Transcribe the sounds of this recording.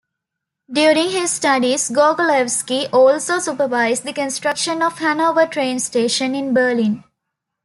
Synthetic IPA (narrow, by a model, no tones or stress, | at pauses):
ɖjuːɾĩŋɦɪzsʈaɖizɡoːɡoleʋskiʔɔːlsoːsupəʋaɪzd̪ikə̃nsʈɾʌkʃə̃nɔfhænoːʋəʈʰɾẽːnsʈeːʃə̃nɪ̃nbəːlĩn